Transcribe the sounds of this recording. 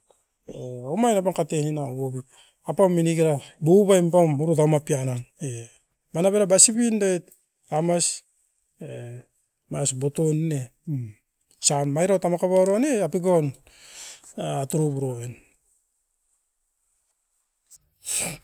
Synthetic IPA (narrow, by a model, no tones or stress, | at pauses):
eomajnapankatehinaβobi | apaminiɡiɾabuβajmpamuɾut̬amapianane | manaβeɾabasiβindajt̚ | amas | e | masbo̞tonine | sanmajɾawtamakaβaɾoneapiɡon | atuɾubuɾoβen